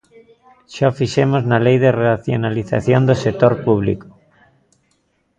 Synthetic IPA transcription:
ʃafiʃemoznalejðeraθjo̰naliθa̰θjond̪osek̚t̪oɾpuβlḭko̥

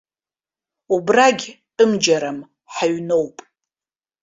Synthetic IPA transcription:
ubraɡʲtʼɨmd͡ʒaɾam | ħaɥno̞wpʼ

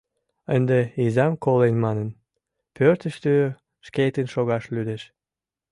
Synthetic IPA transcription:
ənd̪eizɑmkolenʲmɑnən | pøɾt̪əʃt̪ø | ʃket̪ənʃoɣɑʃlyd̪eʃ

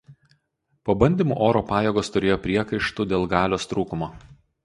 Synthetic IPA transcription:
poːbɐnʲd̪ʲimuːʔoːɾoːpɑːjɛːɡoːst̪ʊɾʲeːjoːpʲɾʲiɛkɐɪʃt̪ud̪ʲeːlˠɡɑːlʲoːst̪ɾuːkʊmoː

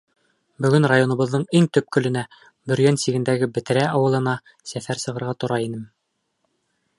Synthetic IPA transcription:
bɵ̆ɡɵnrajonɤ̆βɤ̆ðːɤɴiŋt̪ɵp̚kɵ̆lɘ̆næ | bɵ̆ɾjænsiɡɘ̆nd̪æɡɘbɘ̆t̪ɘ̆ɾæʔɑwɤ̆lˠɤ̆nɑ | sæfæɾsɤ̆ʁɤ̆ɾʁɑt̪ŏɾɑinɘm

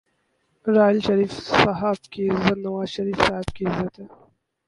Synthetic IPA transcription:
ɾaːɪlʃɐɾiːfsɐɦabkiɪzːɐt̪nɐʋaːzʃɐɾiːfsaːɦɪb̚kiɪzːɐt̪ɦɛː

